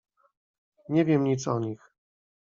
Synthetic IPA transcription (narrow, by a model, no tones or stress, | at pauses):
ɲɛvʲjɛmɲit̪sɔɲix